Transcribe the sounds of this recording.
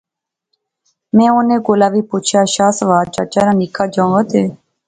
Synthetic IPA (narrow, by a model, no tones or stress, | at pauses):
mɛ̃ːoːnẽːɡoːlaːʋiːpuːt͡ʃʰjaːʃaːsəʋaːɾt͡ʃət͡ʃaːɾãːnikʰaːd͡ʒãːʋət̪eː